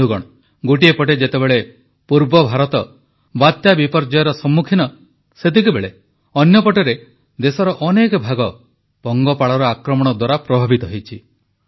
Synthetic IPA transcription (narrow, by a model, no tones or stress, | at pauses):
uɡɔɽ̃ɔ | ɡoʈ̬iepɔʈ̬ed͡ʒet̪ebeɭe | puɾbɔbʱaɾɔt̪ɔ | bat̪jabipɔɾd͡ʒɔjɔɾɔsɔmːukʰinɔ | set̪ikubeɭe | ɔnjɔpɔʈeɾe | d̪esɔɾɔʔɔnekɔbʱaɡɔ | pɔŋɡɔpaɭɔɾɔakɾɔmɔɽ̃ɔd̪waɾapɾɔbʱabit̪ɔɦejt͡ʃʰi